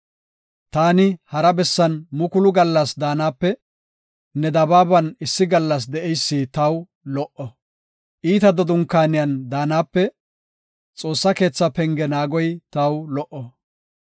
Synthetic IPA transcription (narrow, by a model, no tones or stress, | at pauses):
t̪aːnɪhɐɾɐbɛsːɐnmʊkʊlʊɡɐlːɐsd̪aːnaːpːɛ | nɛd̪ɐbaːbɐnɪsːɪɡɐlːɐs̬d̪ɛʔɛjsːit̪ɐw | lɔʔɔ | ʔiːt̪ɐd̪ɔd̪ʊŋkːaːnɪjɐnd̪aːnaːpːɛ | t͡sʼo̞ːsːɐke̞ːt͡sːɐpɛŋɡɛnaːɡɔjt̪ɐwlɔʔɔ